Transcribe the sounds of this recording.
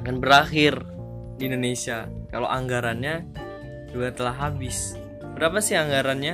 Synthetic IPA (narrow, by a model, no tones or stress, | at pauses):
kanbəɾaxɪr | diːndonesiakalo̰ʔaŋɡaɾanɲa | d͡ʒuɡat̪əlaɦabɪs | b̥əɾapasɪhaŋɡaɾanɲa